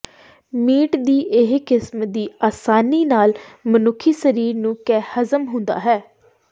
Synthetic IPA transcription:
miːʈd̪iːʔɪɦkɪsmd̪iːʔaːsaːniːnaːlmənʊkʰːiːsəɾiːɾnũːkɛːhəzəmɦʊ̃nd̪a̰ːɦɛː

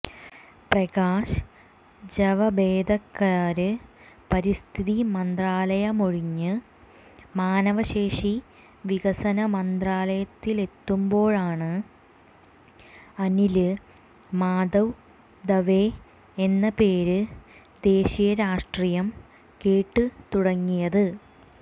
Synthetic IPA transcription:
prɐɡaːʂ | d͡ʑɐʋɐbeːd̪ɐkːaːɾɨ | pɐɾist̪ʰiðimɐnd̪raːlɐjɐmoɻiɲːɨ | maːnɐʋɐɕe̞ːʂi | ʋiɡɐsɐnɐmɐnd̪raːlɐjɐt̪ːile̞t̪ːumbo̞ːɭaːɳɨ | ɐnilɨ | maːd̪ɐw | d̪ɐʋe | enːɐpe̞ːɾɨ | d̪e̞ːɕijɐɾaːʂʈrijɐm | keːʈːɨt̪uɽɐŋːijɐðɨ

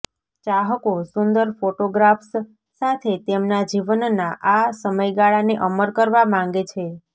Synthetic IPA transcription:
t͡ʃaɦəkosʊnd̪əɾfoʈoɡɾafs | sat̪ʰet̪emnad͡ʒiʋənnaʔasəməjɡaɭaneʔəməɾkəɾʋamãŋ̆ɡet͡ʃʰe

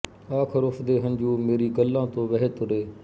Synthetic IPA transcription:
aːkʰəɾʊpʰd̪eːɦənd͡ʒuːmeːɾiːɡəlːãːt̪õːʋəɦet̪ʊɾeː

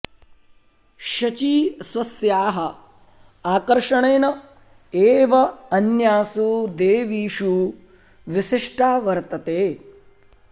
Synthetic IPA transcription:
ʃɐt͡ʃiːsʋɐsjaːɦɐ | aːkɐɾʂɐɳeːnɐ | eːʋɐɐnjaːsud̪eːʋiːʃu | ʋiʃiʂʈaːʋɐɾt̪ɐt̪eː

